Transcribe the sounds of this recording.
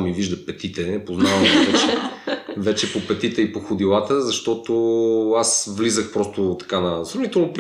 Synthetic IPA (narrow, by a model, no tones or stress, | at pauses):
miviʒd̪ɐpɛt̪it̪ɛpoznavmivɛt͡ʃɛvɛt͡ʃɛpopɛt̪it̪ɛipoxʊd̪ilˠat̪əzɐʃt̪ɔt̪oasvlizəxpɾɔst̪ot̪ɐ̥kanɐsɾɐvnit̪ɛlˠnop